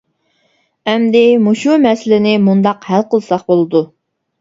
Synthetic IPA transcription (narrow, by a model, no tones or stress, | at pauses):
ɛmd̪ɪmuʃumɛsɪlɪnɪmund̪ɑqhælqəlˠsɑχbolˠɨd̪u